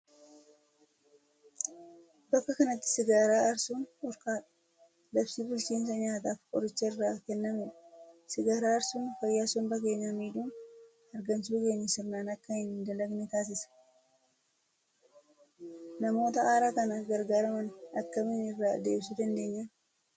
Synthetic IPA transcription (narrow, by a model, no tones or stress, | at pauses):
bɐkːɐkɐnɐt̪ːɪ̥sɪɡaːɾaːʔɐɾsuːnɔɾkaːᶑɐ̥ | lɐfsiːbʊlt͡ʃiːns̬ɐɲaːt̪̬aːfkʼɔ̰ɾɪt͡ʃːɐɪrːaːkɛnːɐmɛsɪɡaːɾaːɐɾsuːnfɐjːaːsɔmbɐke̞ːɲːɐmiːᶑuːn | ɐɾɡɐnsuːke̞ːɲːɐsɪrnaːnɐkːɐhɪnd̪ɐlɐɡnɪt̪aːs̬ɪsɐ̥ | nɐmo̞ːt̪ɐaːɾaːkɐnɐɡɐɾɡaːɾɐmɐnɐkːɐmɪnɪrːaːd̪e̞̰ːbsud̪ɐnd̪e̞ːɲːɐ